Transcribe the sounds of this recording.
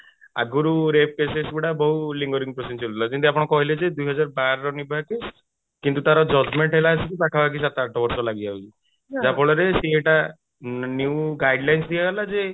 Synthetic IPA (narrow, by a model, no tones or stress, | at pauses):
a̰ɡuɾuɾep̚kesesbiɽabɔɦuliŋɡɔɾiŋpɾosinsɔɾt̪lɔkint̪iapɔɽ̃ɔkɔɦiled͡ʒed̪uiɦɔd͡ʒaɾbaɾɾɔnibʱakes | kint̪ut̪aɾɔd͡ʒɔd͡ʒmeɳʈɦelaːsik̪it̪akʰabʱakis̬at̪aʈʰɔbɔɾsɔlaɡiaɦut͡ʃʰi | d͡ʒapɔɭɔɾeseeʈa | njuwɡajɖlajnsd̪iaɡelad͡ʒe